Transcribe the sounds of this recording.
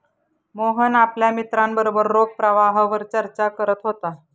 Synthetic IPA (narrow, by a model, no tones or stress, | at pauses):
moɦənapljamit̪ɾãmbəɾobəɾːoɡ̚pɾəʋaɦʋəɾt͡ɕəɾt͡ɕakəɾət̪ɦot̪a